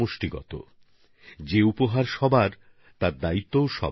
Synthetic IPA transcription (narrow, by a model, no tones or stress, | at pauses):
oʃʈiɡɔ̰t̪o̰ | d͡ʑeupoɦaɾʃɔbʱaɾ | t̪aɾd̪ait̪ːowʃɔ̰